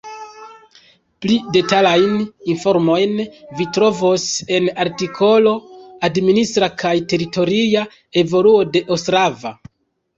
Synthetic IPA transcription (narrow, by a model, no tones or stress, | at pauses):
plide̞talajninfo̞ɾmo̞jnvitɾo̞vose̞naɾtikʰo̞lo̞administɾakʰajte̞ɾito̞ɾia | e̞vo̞luo̞de̞ʔostɾava̰